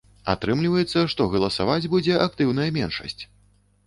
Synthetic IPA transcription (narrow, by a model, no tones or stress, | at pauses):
a̰t̪ɾɨmlʲivɐjɛt̪sːɐʂt̪ɔɣɐlˠɐsavad͡zʲbud͡zʲɛʔakt̪ɨwnɐjɐmʲɛnʂɐ̰sʲt͡sʲ